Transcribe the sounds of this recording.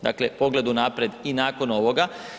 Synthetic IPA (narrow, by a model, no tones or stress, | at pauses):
d̪a̰ːklepo̞ɡle̞d̪unaːpɾe̞d̪inaːkono̞ʋo̞ɡa